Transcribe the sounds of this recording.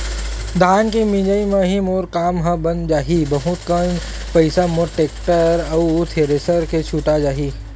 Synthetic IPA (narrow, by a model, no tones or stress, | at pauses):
d̪ʱaːnkimĩd͡ʒaimẽɦimoːɾkaːmɦə̃bənd͡ʒaːɦibɐɦʊt̪kən | pɐɪsamoʈeːk̚ʈəɾɐt̪ʰeɾesəɾket͡ʃʰuːʈad͡ʒaːɦi